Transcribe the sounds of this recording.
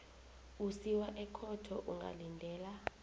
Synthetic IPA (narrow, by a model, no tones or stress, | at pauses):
usiwaʔɛkʰɔtʰɔʔuŋɡʱa̰lindʱɛːla